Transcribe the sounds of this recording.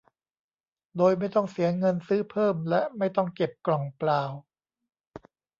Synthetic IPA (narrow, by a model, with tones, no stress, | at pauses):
doː˧jma˥˩jt̪ɔ˥˩ŋsi˩˦ɐŋɤ˧nsɯː˦˥pʰɤː˥˩mlɛ˦˥ʔma˥˩jt̪ɔ˥˩ŋke˨˩p̚klɔ˨˩ŋplaː˧w